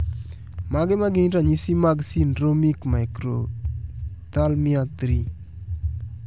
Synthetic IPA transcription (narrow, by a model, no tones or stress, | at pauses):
maɡemaɡeɲɾaɲisimaɡsinɾomikmajkɾo | t̪almiat̪ɾi